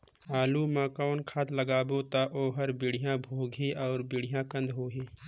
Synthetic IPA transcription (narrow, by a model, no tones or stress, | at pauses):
aːlumãːkaːnkʰaːt̪ləɡaːbot̪aʔoːɦəɾbɪɽ̤ijãbʱoːɡʱeʔɔːɾbɪɽ̤ijãkə̃nd̪ʱɦoːɦeː